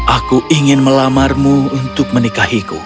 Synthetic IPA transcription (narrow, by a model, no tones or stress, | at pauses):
ʔakuʔiŋɪnməlamarmuunt̪ʊk̚mənikahikṵ